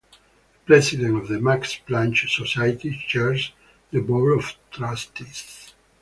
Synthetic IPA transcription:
pɾɛsid̪ɛ̃ntɔvðəmaksplãnt͡ʃsɔsajt̪it͡ʃɛɹz | ðəbolɔvt̪ɾast̪is

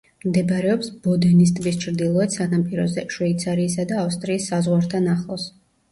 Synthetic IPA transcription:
md̪ɛbɾɛɔpsbɔd̪ɛnis̬t̪ʼbis̬t͡ʃʰɾd̪ilˠɔɛt̪sanampʼiɾɔzɛʃwɛit̪sʰaɾiːsad̪aːfst̪ʼɾiːsːazʁwaɾt̪ʰanaχlˠɔs

